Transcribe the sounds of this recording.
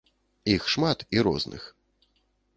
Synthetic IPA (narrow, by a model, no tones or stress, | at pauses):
ixʂmat̪iɾɔ̰znʔɨ̰x